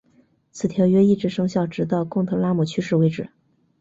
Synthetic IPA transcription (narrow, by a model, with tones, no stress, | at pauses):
t͡sʰɹ̩˨˩t̪ʰjɑ˧˥ʊɥɛ˥i˥˩ʈ͡ʂɻ̩˧˥ʂɤ˥ŋɕjɑ˥˩ʊʈ͡ʂɻ̩˧˥t̪̬ɑ˥˧ʊkʊ˥˩ŋt̪ʰɤ˧˥ŋla˥mɔ˨˩t͡ɕʰy˥ʂɻ̩˥˩we˧˥ɪʈ͡ʂɻ̩˨˩˦